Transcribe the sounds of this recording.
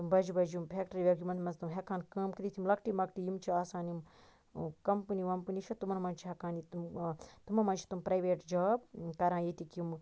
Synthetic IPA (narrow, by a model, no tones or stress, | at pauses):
t̪umbɐd͡ʒubɐd͡ʒjumpʰʲek̚ʈɐɾiʋʲekjumɐnt̪ʰmɐnzt̪umɦekʰaːnkɐːmkid̪it̪ʰʲimlɐkʈimɐkʈijimt͡ʃʰiaːsaːnim | kɐmpɨniʋɐmpɨniʃʰɐt̪umɐnmɐnt͡ʃʰiɦɐkaːnit̪umt̪umɐnmɐnt͡ʃʰi̥t̪umpɾɐjʋeːʈd͡ʒaːb̚kɐɾãːjit̪ikum